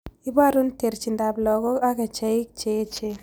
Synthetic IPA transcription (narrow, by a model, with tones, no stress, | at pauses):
i˦ba˦ɾu˦nte˨ɾt͡ʃi˨nda˨blɔ˨ɡɔ˦a˦ka˨t͡ʃa˨i˦k̚t͡ʃe˨˦t͡ʃe˦